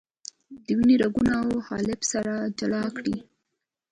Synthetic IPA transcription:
d̪̥əwiniɾaɡunaawhɑlɪbsaɾad͡ʒalɑkɽḭ

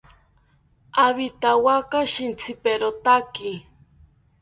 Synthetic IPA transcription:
aβit̪awakaʃint͡sʰɪpeɾot̪aki

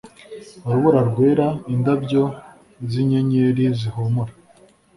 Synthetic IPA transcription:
aɾuβuɾaɾɡwe̞ːɾaindabɟo̞ | ziɲeɲeɾizihomuɾa

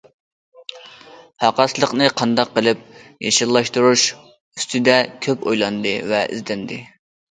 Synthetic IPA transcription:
hɑqɑslˠəqnɨqʰɑnd̪ɑqːəlˠɪp̚jeʃɨlˠːɑʃt̪uɾuʃ | yst̪ʰɪd̪ɛkʲʰøpo̰jlˠɑnd̪ɨvɛʔḭzd̪ɛnd̪ɪ

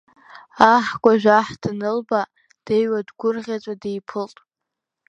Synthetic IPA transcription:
aħɡʷʼaʒᶣaħd̥ɨnɨlba | d̥ejwadɡʷʊrʁʲat͡sʷʼadejpʰɨltʼ

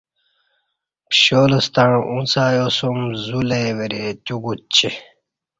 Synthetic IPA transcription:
pɕoːlust̪aɳũʔũnsaːjosumzuleweɾet͡ɕuɡut͡ɕi

